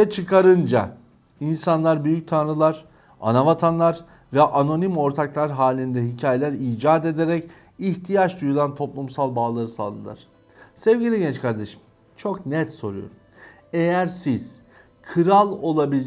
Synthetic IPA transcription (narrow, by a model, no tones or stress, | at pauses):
ɛt͡ʃʰɯkʰaɾɯnd͡ʒa̰ | insanlˠaɾbyjyc̚t̪ʰanɾɯlˠaɾ̥ | a̰navat̪ʰanlˠaɾ | vɛʔano̞nimo̞ɾt̪ʰaklˠaɾɦaːlʲind̪ɛɦicʰaːje̞lʲæɾiːd͡ʒaːd̪e̞d̪eɾɛc | içt̪ʰijat͡ʃd̪ujulˠant̪ʰo̞plˠumsalˠbaːlˠaɾɯsa̰lˠɯnlˠa̰ɾ̥ | sɛvɟilʲiɟɛnt͡ʃkʰaɾd̪eʃɯ̥m | t͡ʃʰo̞knɛt̪so̞ɾujo̰ɾ | ejæɾsiz̥ | kʰɯɾalˠo̞lˠabilʲ